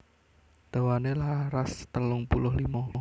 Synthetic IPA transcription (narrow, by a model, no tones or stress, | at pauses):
d̪̥awanelahrast̪əlʊŋpulʊɦlimɔ